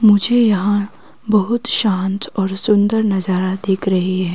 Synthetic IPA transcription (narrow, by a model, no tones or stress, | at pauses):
mʊd͡ʒʱejɐɦã | bɐɦʊt̪ʃãːnt̪ɔːɾsʊ̃nd̪əɾnɐzaːɾad̪eːkʰɾɐɦiɦɛː